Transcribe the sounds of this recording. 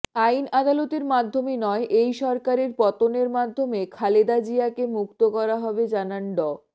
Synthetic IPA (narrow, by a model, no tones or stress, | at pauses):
ajnad̪alot̪eɾmad̪ʱːominɔeʔejʃɔɾkaɾeɾpɔt̪oneɾmad̪ʱːomekʰaled̪ad͡ʑiakemukt̪okɔɾaɦɔbed͡ʑananɖɔ